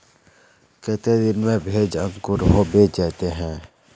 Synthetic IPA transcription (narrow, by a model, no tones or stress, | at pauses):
ket̪ed̪ɪnmẽbʱeːd͡ʒə̃ŋkʊɾɦobeːd͡ʒɛːt̪eɦɛ̃ː